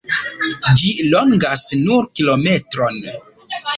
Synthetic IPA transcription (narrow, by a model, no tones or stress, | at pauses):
d͡ʒilo̞ŋɡasnuɾkilo̞me̞tɾo̞n